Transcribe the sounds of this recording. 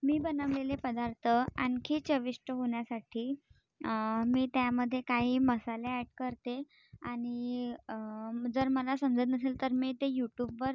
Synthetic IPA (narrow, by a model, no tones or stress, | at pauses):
miːbənəʋlelepəd̪aɾt̪ʰəaŋkʰiːt͡ɕəʋiʂʈəɦoɳjasaʈʰiː | miːt̪jaməd̪ʱːjekaɦiːməsaleæʈkəɾt̪e | aɽ̃i | d͡zəɾməlasəmd͡zət̪nəselt̪əɾmiːt̪ejuʈjubʋəɾ